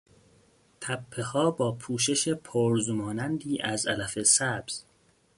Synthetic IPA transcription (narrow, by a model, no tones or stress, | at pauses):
t̪ʰæpʰːe̞hɒːbɒːpʰuːʃe̞ʃepʰoɾzumɒːnænd̪iːʔæzælæfe̞sæbz̥